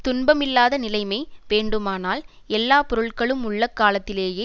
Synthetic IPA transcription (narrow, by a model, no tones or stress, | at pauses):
t̪ʊnbɐmɪlːaːðɐnɪlɐɪmɐɪʋeːɳɖɯmaːnaːl | ɛlːaːpɔɾɯɭkɐɭɯmʊɭːɐkːaːlɐt̪ːɪleːjeː